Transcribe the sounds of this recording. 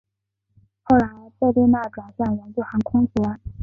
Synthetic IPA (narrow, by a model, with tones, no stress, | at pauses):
xo˥˩ʊɻa˧˥n˧˥t͡se˥˧ɪt̪we˥˧ɪna˥˩ʈ͡ʂwa˨˩nɕja˥˩ŋwə˧˥nt͡ɕjo˥˩xə˨˧˥nkʰʊ˥ŋsu˧˥ə˧˥˦